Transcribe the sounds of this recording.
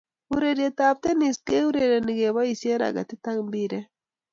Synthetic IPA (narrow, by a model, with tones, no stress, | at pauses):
uɾeɾet̪aː˨p̚t̪e˦ni˨ske˦u˦ɾe˨ɾe˨ni˨ɡe˨ba˦ise˦ɾa̰˨ɡa̰˨t̪i˦t̪a˦ŋbi˦ɾe˦